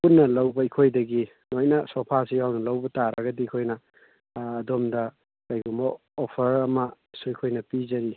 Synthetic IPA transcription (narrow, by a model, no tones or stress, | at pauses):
punːɐlɐwbɐikʰojdɐɡi | nojnɐsopʰasijawnɐlɐwbɐtaɾɐɡɐdiikʰojnɐː | domdɐ | kajɡumbɐ | opʰɐɾɐmɐ | suikʰojnɐpizɐɾi